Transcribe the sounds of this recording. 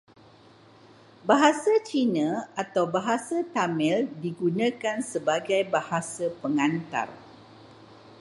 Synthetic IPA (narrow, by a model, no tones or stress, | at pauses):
baɦasat͡ʃinãat̪awbaɦasat̪amɛ̃ldiɡunãkansəbaɡajbahasapəŋant̪a̰r